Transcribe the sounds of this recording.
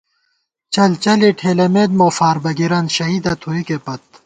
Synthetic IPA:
t͡ɕɐlt͡ɕɐliʈʰeːlɐmeːd̪̚moːfaːɾbɐɡiɾɐnɕɐɦiːd̪ɐt̪ʰoːikepɐt̪̚

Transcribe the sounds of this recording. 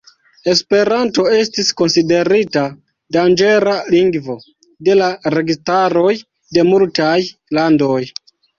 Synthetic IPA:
e̞spe̞ɾanto̞e̞stisko̞nside̞ɾita | dand͡ʒe̞ɾaliŋɡvo̞ | de̞laɾe̞ɡistaɾo̞j | de̞multajlando̞j

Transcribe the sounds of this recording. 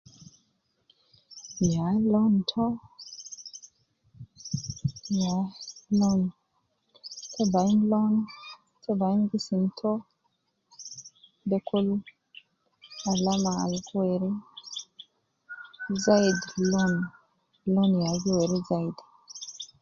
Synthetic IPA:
jalɔntʰɔ | jalɔn | tʰɛbanlɔn | tʰɛbanɡisintʰɔ | dɛkʰul | alamaa̰lkuwɛɾi | zaidlɔn | lɔnjaziweɾizaid

